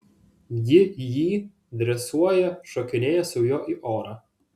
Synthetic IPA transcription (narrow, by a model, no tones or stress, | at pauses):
jɪjiː | d̪ʲɾʲɛsuɔjɛʃɔkʲɪnʲeːjɛsʊʊjoːʔiʔoːɾɐ